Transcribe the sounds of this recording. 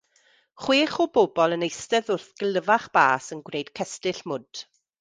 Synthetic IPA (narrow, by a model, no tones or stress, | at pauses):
χweːχɔboːbɔlˠənejstɛðʊrθɡ̥əlˠəvaχb̥a̰ːsənɡwrejd̥kʰɛstɪɬmʊd̥